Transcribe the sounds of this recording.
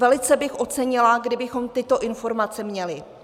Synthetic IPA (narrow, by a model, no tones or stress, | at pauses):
vɛlɪt͡sɛbɪxʔo̞t͡sɛɲɪlaɡdɪbɪxo̞mt̪ɪt̪o̞ʔɪnfo̞ɾmat͡sɛmɲɛlɪ